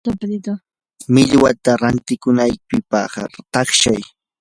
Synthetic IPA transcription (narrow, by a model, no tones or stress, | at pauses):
mɪʎwat̪aɾant̪ɪkʊnajpɪpɑ̰χt̪ɑχʃaj